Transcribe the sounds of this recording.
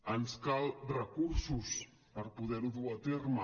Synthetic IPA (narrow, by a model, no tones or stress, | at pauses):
ənskalˠrəkuɾsus | pəɾpuðɛɾuðuat̪ermə